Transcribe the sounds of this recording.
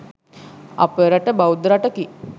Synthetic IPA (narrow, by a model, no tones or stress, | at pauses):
a̰pəɾaʈəbawd̪ɾaʈəki